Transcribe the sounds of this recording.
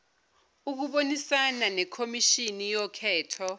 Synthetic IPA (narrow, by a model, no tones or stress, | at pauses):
uk̬uɓonisananɛkʰomiʃinijɔkʰɛːtʰɔ